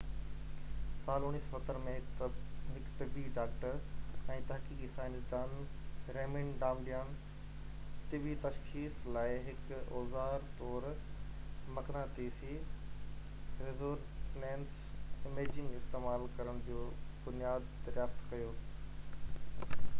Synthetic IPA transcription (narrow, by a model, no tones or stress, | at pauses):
saːlʊñiːssɐt̪əɾmẽ | ɦɪkt̪ɪbiɖaːkʈəɾɛ̃ːt̪ɐɦkiːkisaːɪnsd̪aːnɾeːmɪ̃nɖãːmɖijaːn | t̪ɪʋit̪ɐʃxiːslaːɪɦɪkɔːzaːɾt̪ɔːɾ | mɐknat̪iːsi | ɾɪzoːɾ | nɛ̃ːns | ɪmeːd͡ʑɪ̃ŋɡɪst̪eːmaːlkɐɾəɽ̃d͡ʑoːbʊnijaːd̪ːɐɾjaːft̪kɐjoː